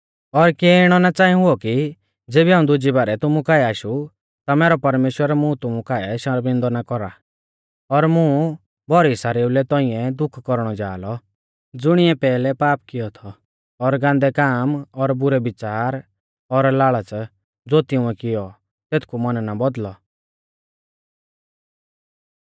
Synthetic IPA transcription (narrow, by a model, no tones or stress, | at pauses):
ɔɾkeːɪɽ̃ɔnat͡saːĩɦʊɔki | d͡zeːbiɦaːũd̪ʊd͡ʒibaːɾɛt̪ʊmũkaːɛaːʃu | t̪amɛːɾɔpɐɾmeːʃwəɾmũt̪ʊmũkaːɛʃɐɾbɪ̃nd̪ɔnakɔɾa | ɔɾmũ | bɔɾisaɾeːulɛt̪ɔ̃ĩɛ̃d̪ʊkʰkɔɾɽ̃ɔd͡ʒa̰ːlɔ | d͡zʊɽ̃ɪɛ̃pɛːlɛpaːp̚kɪjɔt̪ʰɔː | ɾɡãːnd̪ɛkaːmɔɾbʊɾɛbɪt͡ʃaːɾ | ɔɾlaːɭat͡s | d͡zoːt̪ɪ̃ʊ̃ɛkɪjɔ | t̪eːt̪ʰkʰumɐnnabɔd̪lɔ